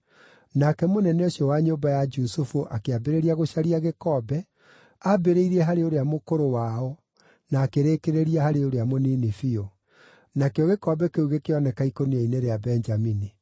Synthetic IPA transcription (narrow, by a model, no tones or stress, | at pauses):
nakɛmonɛnɛoɕjɔwaɲobajad͡ʒusufuʔakeabeɾeɾiaɣoʃaɾiaɣekɔbɛ | abeɾeiɾɛɦaɾeoɾeamokoɾowaɔ | naːkeɾeːkeɾeɾiahaɾeoɾeamoniːnifio | nakeɔɣekɔbɛkeuɣekeɔnɛkaikoniaineɾeabɛɲd͡ʒamini